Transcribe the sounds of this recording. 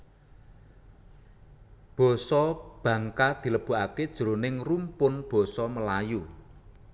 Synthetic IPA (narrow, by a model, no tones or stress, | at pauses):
b̥ɔ̤sɔb̥ä̤ŋkad̪̥i̤ləb̥ṳʔaked̥ʒ̥ṳlonɪŋrumpʊnb̥ɔ̤sɔməlaju